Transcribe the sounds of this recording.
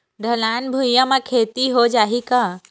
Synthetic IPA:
ɖʱəlaːnbʱujəmãkʰeːt̪iɦod͡ʒaːɦika

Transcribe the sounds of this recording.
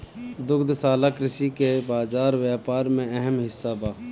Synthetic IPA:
d̪ʊɡd̪saːlakɾɪsikebaːzaːɾwjaːpaːɾmẽɛɦəmɦɪsːabaː

